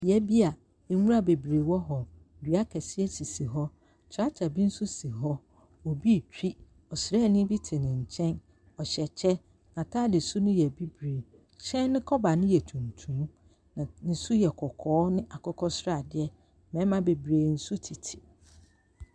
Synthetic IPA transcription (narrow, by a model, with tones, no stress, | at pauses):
jɛ˦bi˦a˨ | ɛ˨˦wu˦a˦˨be˨bɾeː˨wɔ˦ɦɔ˨ | dɥa˦kʰɛ˨sɪ˦ɛ˦sʰi˨si˨ɦɔ˦ | t͡ɕʰɾa˦t͡ɕʰa˨bi˦n̩˦sʊ˦si˨ɦɔ˦ | ɔ˨bi˦˨t͡ɕᶣi˦ | ɔ˨sɪ˨ɾɛ˦˨nʊ̃˦bi˦tʰɪ˨nɪ̃˨ɲ̩˨t͡ɕʰɛ̃˦n | ɔ˨ɕɛ˨t͡ɕʰɛ˦ | nã˨tʰa˦dɪ˨su˦nʊ̃˦jɛ˨bi˦bɾeː˨ | ɕɛ̃˦nɪ̃˦kʰɔ˦ba˨nɪ̃˦jɛ˨tʰũ˨ntʰũ˨˦m˦ | nã˨nɪ̃˨su˦jɛ˨kʰɔ˨kʰɔː˨˦nɪ̃˦ʔa˨kʰɔ˦kʰɔ˦sɾa˦˨dɪ˦ɛ˦˨ | mɛ̃˨˦mã˦be˨bɾeː˨n̩˦su˦tʰi˨tʰɪ̥˨